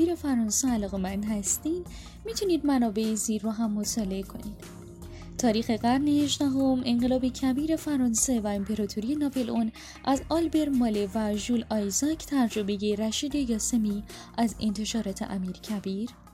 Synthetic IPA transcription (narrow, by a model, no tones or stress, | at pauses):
iːɾe̞fæɾɒːnseælɒːɣe̞mænd̪ɦæst̪iːd̪ | miːt̪ʰuniːd̪mænɒːbe̞eziːɾːoɦæmːo̞t̪ʰɒːle̞ekʰo̞̰niːd̪̥ | t̪ʰɒːɾiːxe̞ɣæɾneheʒd̪æɦo̞me̞ɴɢe̞lɒːbecʰæbiːɾe̞fæɾɒːnsevæempʰe̞ɾɒːt̪ʰuɾije̞nɒːpelʔon | ʔæzɒlbe̞ɾmɒːlevæʒulɒjzɒcʰt̪ʰæɾd͡ʒo̞be̞jeɾæʃiːd̪ejɒːse̞miː | ʔæze̞̰nt̪ʰe̞ʃɒːɾɒːt̪ʰe̞̰ʔæ̰miːɾcʰæbiːɾ